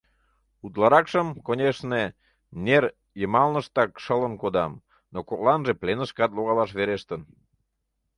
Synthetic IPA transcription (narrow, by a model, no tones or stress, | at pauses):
ut̪lɑɾɑkʃəmkonʲeʃne | ner | jəmɑlnəʃt̪ɑkʃələnkod̪ɑ̰m | nokolɑnʒeplenəʃkɑt̪loɣɑlɑʃβeɾeʃt̪ən